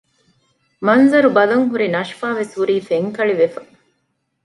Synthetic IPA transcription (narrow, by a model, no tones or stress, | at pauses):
mɐnzɐɾubɐlɐŋɦuɾinɐʃfaːʋesʋuɾiːfeŋkɐɭiʋefɐ̥